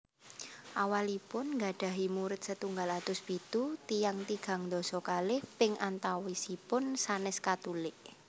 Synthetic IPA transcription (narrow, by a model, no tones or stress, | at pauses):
ʔawalipʊnŋɡa̤ɖ̪̥ä̤ɦimuɾɪt̪̚sət̪uŋɡalat̪ʊsb̥it̪ut̪ijaŋt̪iɡ̥a̤ŋd̪ɔ̤sɔkalɪhpɪŋant̪awisipʊnsanɪskat̪ulɪʔ